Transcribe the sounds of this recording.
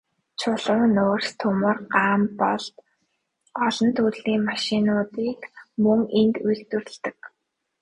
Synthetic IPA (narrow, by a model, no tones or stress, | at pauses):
t͡ɕʰʊɮʊːnoːrst̪ʰʊmə̆rɢaːmpɔɮt̪ | ɔɮɞ̆nt̪ʰuɮiːŋmaʃɪnʊːt̪iːkmɵŋent̪ujkt̪ɘ̆r̆ɮt̪ɘ̆k